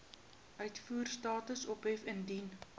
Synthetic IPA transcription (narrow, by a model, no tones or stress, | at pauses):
ʔœɥtfuːrstɑːtəsɔpɦɛfəndin